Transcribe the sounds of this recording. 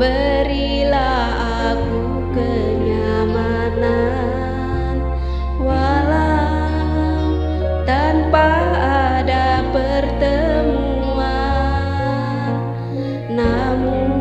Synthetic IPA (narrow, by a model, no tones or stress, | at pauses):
bəɾi | lah | a | ɡu | kə | ɲa | ma | na | n | wa | la | t̪anpaː | dapərt̪əmuu | a | nː | amun